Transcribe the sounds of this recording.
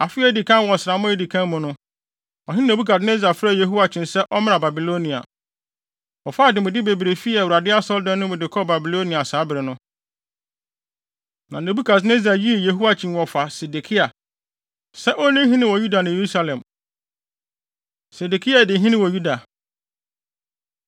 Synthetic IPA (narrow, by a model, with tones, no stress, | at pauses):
a˨fɪ˦ɛ˦˨di˨kʰã˦wɔ˨sɪɾa˨mʊ̃˦e˦di˨kʰã˦nmʊ̃˨nʊ̃˦ | ɔ˨ɦɪ˦ne˨bu˦kʰa˨d̬ne˦za˨fɾa˦˨je˨ɦu˦wa˨t͡ɕʰɪ̃˨nsɛ˦ʔɔ˦mɪ̃˦nã˨ba˨bi˨lo˦nĩ˨a̰˨ | ɔ˨fa˦˨dɪ˨mʊ̃˨dɪ˦be˨bɾe˨fi˦ɛ˨wu˨ɾa˨dɪ˦a˦sɔ˦ldã˦nːʊ̃˦mʊ̃˨dɪ˨kʰɔ˦˨ba˨bi˨lo˦nĩ˨a˨saː˨˦bɪ˨ɾɪ˨nʊ̃˦ | nã˨ne˨bu˦kʰa˨s̬ne˦za˨ji˦e˨je˨ɦu˦a˦t͡ɕʰĩ˨n˨wɔ˨fa˨se˨de˨kʰi˦a˨ | sɛ˦ʔɔ˦nĩ˦ɦĩ˦nɪ̃˦wɔ˨ju˦da˨nã˨je˨ɾu˦sa˦˨lɛ̃˨m | se˨de˨kʰi˦a˨dɪ˨ɦĩ˦nɪ̃˦wɔ˨ju˦da˨